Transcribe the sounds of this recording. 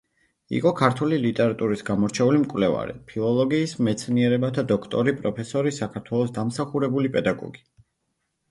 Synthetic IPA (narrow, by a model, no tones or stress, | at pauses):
ḭqʼɔkʰaɾt̪ʰulilit̪ʼɛɾat̪ʼuɾisɡamɔɾt͡ʃʰɛulimkʼwlɛva̰ɾḭpʰilˠɔlˠɔɡiːsmɛt̪sʰniɛɾɛbat̪ʰad̪ɔkʰt̪ʼɔɾipʼɾɔpʰɛsɔɾisakʰaɾt̪ʰwɛlˠɔsd̪amsaχuɾɛbulipʼɛd̪aɡɔ̰ɡi̥